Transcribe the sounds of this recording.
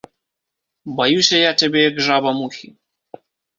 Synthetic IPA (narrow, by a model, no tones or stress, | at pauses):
bajuɕʲajat͡ɕʲɛbʲejaɡʐabamuxʲi